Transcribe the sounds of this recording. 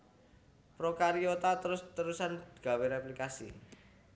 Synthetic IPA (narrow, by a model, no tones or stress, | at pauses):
pɾokaɾiot̪at̪əɾʊst̪əɾusand̪̥ɡ̥a̤weɾeplikasḭ